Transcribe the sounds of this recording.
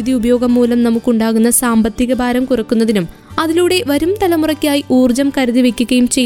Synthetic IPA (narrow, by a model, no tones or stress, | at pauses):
iðiubɐjo̞ːɡɐmːuːlɐmnɐmukːuɳɖaːɣunːɐsaːmbɐt̪ːiɣɐbʱaːɾɐmkurɐkːunːɐðinum | ɐðiluːɽe̞ʋɐɾumt̪ɐlɐmurɐkʲːaːjiʔuːrd͡ʑɐmkɐɾɐðiʋekʲːuɣɐjumt͡ɕe̞jː